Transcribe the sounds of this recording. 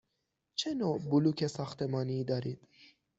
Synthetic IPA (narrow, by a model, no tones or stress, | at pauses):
t͡ʃʰɛnobulukesaxt̪emɑːnid̪aɾit̪